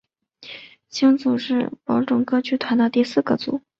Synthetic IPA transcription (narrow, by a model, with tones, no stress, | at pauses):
ɕi˥ŋt͡su˨˩ʂɻ̩˥˩pɑ˧˥ʊʈ͡ʂʊ˨˩ŋkɤ˥t͡ɕʰy˥t̪ʰwa˧˥nd̪ə˧t̪i˥˧sɹ̩˥˩ɡə̰˧t͡sṵ˨˩˦